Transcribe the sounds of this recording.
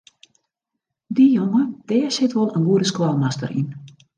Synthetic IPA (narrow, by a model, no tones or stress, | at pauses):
dijoŋəd̥ɛːsɪtʋɔlˠənɡuəɾəskwalˠmastə̰ɾʔḭn